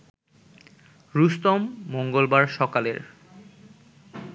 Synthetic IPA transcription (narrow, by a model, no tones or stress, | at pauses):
ɾust̪omːoŋɡolbaɾʃɔkaleɾ